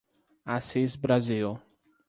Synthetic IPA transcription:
asizbɾazil

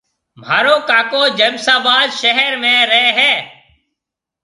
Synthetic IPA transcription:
m̤aːɾoːkaːkoːd͡ʒəbsaːbaːzʃəɦəɾmẽːɾɛːɦɛː

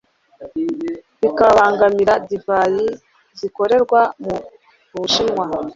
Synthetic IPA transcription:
βikaβaːŋɡamiɾadivaji | ziko̞ɾe̞ɾɡwamu | uβuʃinŋwa

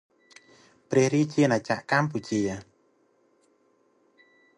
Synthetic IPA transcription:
prɛ̆əhriːt͡ɕiənʔat͡ɕa̰ʔkamp̬ut͡ɕiə

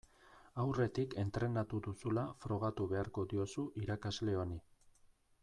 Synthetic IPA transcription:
awre̞t̪ike̞nt̪ɾe̞nat̪uðusulafɾo̞ɣ̞at̪uβe̞aɾko̞d̪io̞suʔiɾakazle̞o̞ni

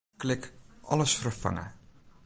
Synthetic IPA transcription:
klɪkʔɔləsfərfa̰ŋə̰

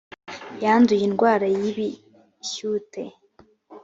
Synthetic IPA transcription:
jaːndujinɡwaːɾajiβi | çute

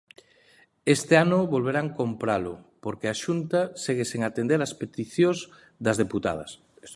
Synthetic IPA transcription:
est̪eanʊβolβeɾaŋkompɾalʊpoɾkeaʃunt̪aseɣeseŋat̪end̪eɾaspet̪iθjoz | d̪ɐzðeput̪a̰ð̞ɐ̰s

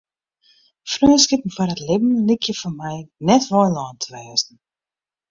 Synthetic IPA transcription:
frøːskɪpn̩fɔrətlɪbn̩likʰjəfɔnmɛjnɛtʋɔlɔːntʰəʋɛːzn̩

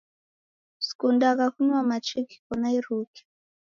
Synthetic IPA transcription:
si̥kundakakunamat͡ʃiki̥kɔnaiɾuki̥

